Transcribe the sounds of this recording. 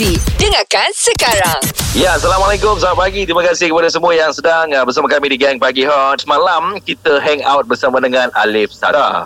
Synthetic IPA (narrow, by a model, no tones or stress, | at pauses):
idəŋakansəkaɾaŋjasalamalajkʊmsaamat̚paɡit̪ɾimãkasɪhkəpadasəmuajaŋsədaŋabəsamakamidiɡɛŋpaɡiɦaɔtsmãlamkit̪əɦɛŋa̰wt̪̚bərsamãdəŋãnʔa̰lɪfsa̰ta̰